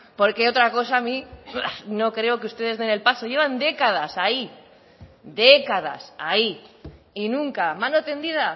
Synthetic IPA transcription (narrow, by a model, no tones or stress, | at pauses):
po̞ɾkeo̞t̪ɾako̞sami | no̞kɾe̞o̞keust̪e̞ð̞e̞zðe̞ne̞lpaso̞ʝe̞β̞and̪e̞kað̞asai | ðe̞kaða̰sai | inũŋkamãno̞t̪e̞nd̪iða